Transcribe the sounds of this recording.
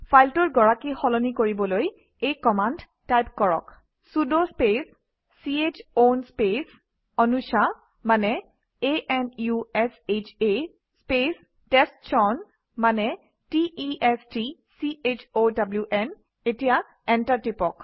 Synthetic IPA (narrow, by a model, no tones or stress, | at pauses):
fʰajltɔɹɡɔɹakixɔlɔnikoɹibɔloj | ejkɔmand | tajpkɔɹɔ̰k | sudospesː | iet͡ʃonspes | ɔnusa | manɛ | eʔɛnjuɛset͡ʃʰe | spes | tɛstsɔn | manɛ | tiiɛstisiet͡ʃʰodabljuʔɛn | etija | ɛntaɹtipɔk